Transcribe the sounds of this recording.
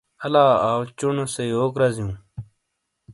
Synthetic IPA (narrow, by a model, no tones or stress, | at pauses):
ɐlaːaːwt͡ɕunosejoːkɾɐzijũː